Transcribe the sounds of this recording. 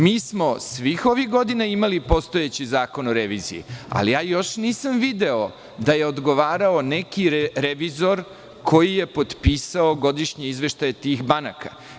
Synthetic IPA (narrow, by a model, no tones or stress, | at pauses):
miːsmo̞sʋixo̞ʋixɡo̞d̪inaimalipo̞st̪o̞jet͡ɕizaːko̞no̞ɾeʋiːzḭjḭa̰lijaːjo̞ʃniːsamʋid̪e̞o̞ | d̪aje̞od̪ɡo̞ʋaːɾaone̞kiɾeɾeʋizo̞ɾ | kʰo̞jije̞po̞d̪piːsaoɡo̞d̪iʃɲeizʋe̞ʃt̪ajet̪iːxbanaka̰